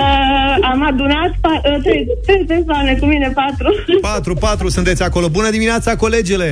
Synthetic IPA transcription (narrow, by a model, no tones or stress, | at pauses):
əamad̪unat̪pat̪ɾejt̪ɾejpersoane̞kumine̞pat̪ɾupat̪ɾupat̪ɾusunt̪esʲako̞lo̞bunəd̪imineat̪sako̞le̞d͡ʒele̞